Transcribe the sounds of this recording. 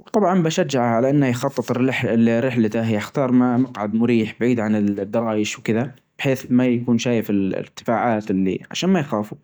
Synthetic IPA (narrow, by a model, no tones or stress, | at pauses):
wt̪ˤɑbʕɑnbaʃad͡ʒːaʕaʕalaʔanːahajxɑt̪ˤːɨt̪ˤɪħɪrːɪħlat̪aɦjaxt̪ɑːɾˤmamʊqʕad̪mʊɾiːħbaʕiːd̪ʕanɪld̪ːɑɾˤɑːjɪʃwkɪða | b̥ɪħeːθmajakuːnʃaːjɪfɪl̰ɪkt̪ːɪ̥faːʕaːt̪ɪlːḭʕa̰ʃaːnmajxaːfu